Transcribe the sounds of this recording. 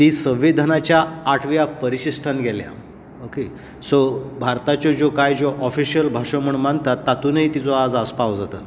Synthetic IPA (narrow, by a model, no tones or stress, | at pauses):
t̪iːsə̃ʋid̪ʱanat͡ɕjaːʈʰʋjapəɾiɕisʈʰanɡʱɛlja̰ | oke | sobʱaɾt̪at͡ɕjɔd͡ʑokajd͡ʑoʔɔfiɕijəlbʱaʂəm̤əɳmant̪at̪ːat̪uːnəɦit̪it͡soad͡zaspaʋd͡zat̪ə̰